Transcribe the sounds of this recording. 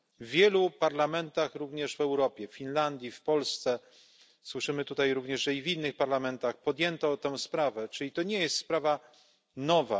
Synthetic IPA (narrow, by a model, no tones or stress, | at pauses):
vːʲjɛlupaɾlamɛnt̪axɾuvɲɛʐvɛwɾɔpʲjɛfːʲinland̪ʲjifpɔlst̪sɛ | swɘʂɘmɘt̪ut̪ajɾuvɲɛʐʐɛivinːɘxpaɾlamɛnt̪axpɔd̪jɛnt̪ɔt̪ɛ̃w̃spɾavɛt͡ʂɘlʲit̪ɔɲɛjɛst̪spɾava | nɔva̰